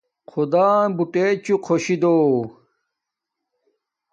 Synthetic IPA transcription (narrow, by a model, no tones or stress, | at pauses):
qʰud̪aːbuʈet͡ɕuqʰoɕid̪oː